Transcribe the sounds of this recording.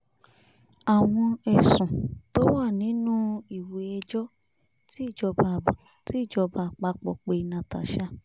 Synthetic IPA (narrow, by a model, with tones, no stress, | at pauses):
a˨w̃ɔ̃˧ɛ˨sũ˨to˨˦wa˦˨nĩ˨˦nũ˦i˨we˧ɛ˧d͡ʒɔ˦ | ti˦˨d͡ʒɔ˧ba˧˨ | ti˨˦i˦˨d͡ʒɔ˧ba˧˨k͡pa˧k͡pɔ̰˨k͡pe˧i˨nã˨ta̰˨ʃa˦